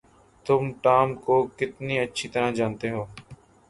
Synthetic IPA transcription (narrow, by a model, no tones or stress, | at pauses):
t̪ʊmʈaːmkoːkɪt̪niːətːʃʰiːt̪əɾãːd͡ʒaːnt̪eːɦoː